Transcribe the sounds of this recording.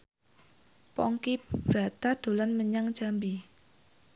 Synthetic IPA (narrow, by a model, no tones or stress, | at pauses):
pɔŋkibb̥ɾat̪ad̪̥o̤lanməɲaŋ̥d͡ʒ̥a̤mbi